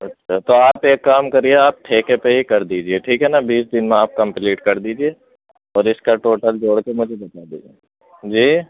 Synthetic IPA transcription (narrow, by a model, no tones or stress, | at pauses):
ɐtːʃʰaːt̪oːaːpeːkːaːmkɐɾieaːp̚ʈʰeːkepeɦikɐɾd̪iːd͡ʒieʈʰiːkɦɛnabiːsd̪ɪnmẽaːp̚kɐ̃mpliːʈkɐɾd̪iːd͡ʒie | ɔːɾɪskaʈoːʈəld͡ʒoːɽkemʊd͡ʒʱebɐt̪aːd̪ḭːd͡ʒieː | d͡ʒiː